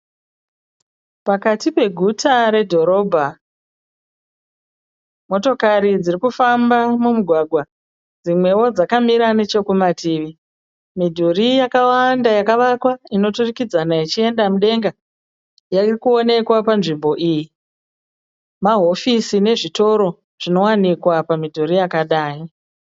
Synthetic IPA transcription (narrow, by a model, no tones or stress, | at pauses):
pakatipe̞ɡʱutʰaɾe̞dʱo̞ɾo̞bʱa | mo̞to̞kaɾid͡zirikufambamumuɡʱwaɡʱwa | d͡zimwe̞wo̞d͡zakamiɾane̞t͡ʃo̞kumatʰiːʋi | midʱurijakawandajakaʋakwaino̞turikid͡zanait͡ʃie̞ndamuɗe̞ŋɡa | jairikuo̞ne̞kwapanʐimbo̞ʔiːji | maɦo̞fisine̞ʐito̞ɾo̞ | ʐ̥ino̞wanikwapamidʱurijakaɗaːi